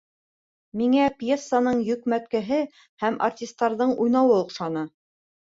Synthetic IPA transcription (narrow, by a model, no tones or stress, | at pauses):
miŋæpʲjesːanɤɴjɵ̆kmæt̪̚kæɦɘ | hæmʔa̰rtʲist̪ːɑɾðɤɴujnɑwɤŏqʃɑnɤ